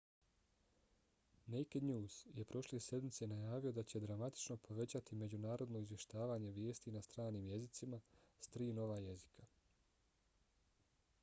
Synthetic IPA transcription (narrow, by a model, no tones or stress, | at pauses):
nejked̪ɲuːz̥je̞pɾʔo̞ʃle̞se̞d̪mit̪se̞najaːʋio̞d̪at͡ɕe̞d̪ɾamat̪i̥t͡ʃno̞pʰo̞ʋe̞t͡ɕat̪ime̞d͡ʑunaːɾo̞d̪no̞izʋje̞ʃt̪aːʋaːɲe̞ʋje̞ːst̪inast̪ɾaːniːmje̞zit̪simast̪ɾiːno̞ʋaje̞zikʰa